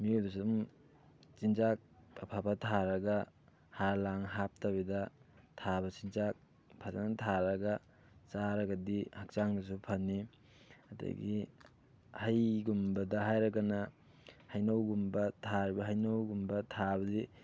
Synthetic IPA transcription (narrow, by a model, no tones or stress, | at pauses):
miudus̬um | t͡ʃinzak̚apʰabɐtʰaɾɐɡa | halaŋɦap̚tabedɐtʰabɐsint͡ʃak̚ | pʰazantʰaɾɐɡɐ | t͡ʃaɾɐɡɐdihak̚t͡ʃaŋdus̬upʰɐnːi | ɐda̰ɡi | hajɡumbɐdɐɦajɾɐkanɐ | hɐjnawɡumbɐtʰaɾibɐɦajnawɡumbɐtʰabɐdi